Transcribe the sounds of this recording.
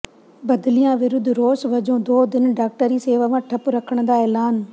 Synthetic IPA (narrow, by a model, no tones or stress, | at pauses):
bɐd̪lijãːʋɪɾʊd̪ʱɾoːsʋɐd͡ʒõːd̪oːd̪ɪnɖaːk̚ʈəɾiːseːʋaːʋãːʈʰɐpɾɐkʰəɽ̃d̪aːɛːlaːn